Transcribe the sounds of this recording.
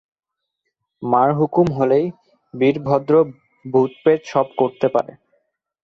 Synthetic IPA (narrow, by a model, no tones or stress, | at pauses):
maɾɦukumɦolej | biɾbʱɔd̪ɾo | bʱut̪pet̪ʃɔbkoɾt̪epa̰ɾḛ